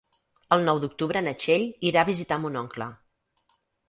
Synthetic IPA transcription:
əlˠnɔwd̪uk̚t̪uβɾənət͡ʃeʎiɾaəβizit̪amunɔŋklə̰

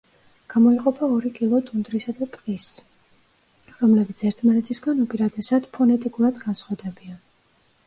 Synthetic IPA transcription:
ɡ̥amɔiqʼɔpʰaɔɾikʼilˠɔt̪ʼund̪ɾisad̪at̪ʼqʼis | ɾɔmlɛbit̪sʰɛɾt̪ʰmanɛt̪ʰisɡanupʼiɾad̪ɛsad̪pʰɔnɛt̪ʼikʼuɾad̪ɡansχwad̪ɛbian

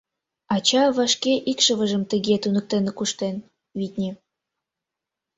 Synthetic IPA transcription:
ɑt͡ɕɑβɑʃkeʔikʃəβəʒəmt̪əɣet̪unək̚t̪enəkuʃt̪en | vit̪ʲnʲi

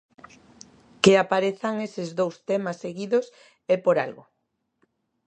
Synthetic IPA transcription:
keapaɾeθaŋesɪzðowst̪emasːeɣiðos | epoɾa̰lɣo

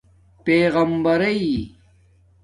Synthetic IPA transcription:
peːɣɐmbɐɾɐi

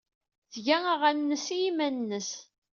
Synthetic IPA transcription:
θʝæaʁænːəsijimænnːəs

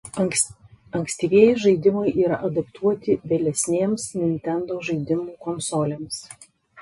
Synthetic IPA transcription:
ɐŋʲksʲt̪ʲiːʋʲiɛjɪʒɐɪd̪ʲɪmɐɪʔiːɾɐʔɐd̪ɐpt̪ʰuɔt̪ʲɪʋʲeːlʲɛsʲnʲeːmsnʲɪnʲt̪ʲɛnd̪oːʒɐɪd̪ʲɪmuːkɔnsoːlʲeːms

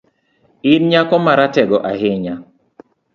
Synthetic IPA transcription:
inɲakɔmaɾatɛɡɔʔaɦɪɲa

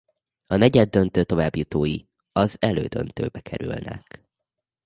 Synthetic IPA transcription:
ɒnɛɟɛd̪ːønt̪øːt̪o̞vaːbjut̪oːji | ɒzɛløːd̪ø̰nt̪ø̰ːbɛkʰɛɾylnɛ̰k

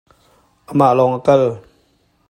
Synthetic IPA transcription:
ʔəmaʔlɔŋʔəkal

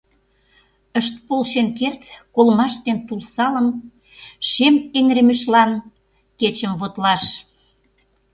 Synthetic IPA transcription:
əʃt̪̚polʃenkert̪kolmɑʃt̪ent̪ulsɑlə̆m | ʃemeŋɾemeʃlɑn | ket͡ɕə̆mβot̪lɑʃ

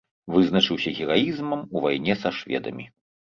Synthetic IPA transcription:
vɨznɐt͡ʂɨwsʲɐɣʲiɣajizmɐmuvajnʲɛsɐʂvʲɛ̰d̪ɐ̰mʲi

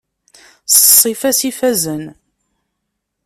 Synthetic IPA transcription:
səsˤːifæsifæzən

